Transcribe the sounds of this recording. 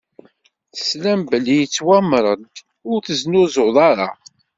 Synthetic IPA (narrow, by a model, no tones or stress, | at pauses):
θə̥slæmbəlijət͡sːwæmɾˤəd̪ | ʊɾθəznʊzoðˤɑɾˤɑ̰